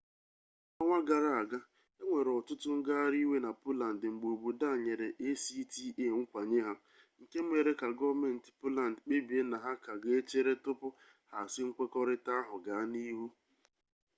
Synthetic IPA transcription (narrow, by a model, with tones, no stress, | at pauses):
ɔ˦ŋʷa˦ɡa˨ɾa˨a˨ɡa˦ | e˦ŋʷe˨ɾɔ˨tʊ˦tʊ˦ŋ̩˦ɡa˦ɾi˦we˦na˨pʊ˦la˨n̩˨dŋ͡m̩˨ɡ͡bo˨bu˨da˦˨ɲe˨ɾe˨ʔe˦si˦ti˦ʔe˦˨ŋ̩˦kʷa˨ɲe˦ɦa˦ | ŋ̩˨ke˦m̩˦e˨ɾe˦ka˨ɡɔ˦me˨n̩˨tɪ̥˨pʊ˦la˨n̩˨dk͡pe˦bi˨e˦na˨ɦa˦ka˨ɡe˦e˦t͡ʃe˦ɾe˦tʊ˦pʊ˦ | ha˨sɪ˦ŋ̩˦kʷe˦kɔ˦ɾɪ˦ta˦a˦ɦʊ˨ɡa˨a˦ni˦ɦu˦